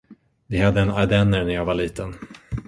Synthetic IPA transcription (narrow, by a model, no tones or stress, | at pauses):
vɪhad̪ːəɛnaɾd̪ɛnːəɾnæɾjaːɡvaɭiːt̪ʰən